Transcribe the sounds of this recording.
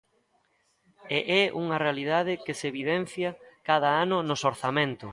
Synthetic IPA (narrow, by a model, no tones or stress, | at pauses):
eʔɛuŋɐrealiðaðɪkɪseβiðɛn̟θjɐkaðɐanʊnʊsoɾθamẽnt̪ʊ